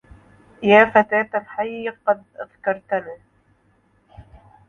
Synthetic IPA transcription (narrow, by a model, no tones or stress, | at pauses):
jaːfat̪aːt̪alħajːqɑd̪ʔaðkɑɾˤt̪laː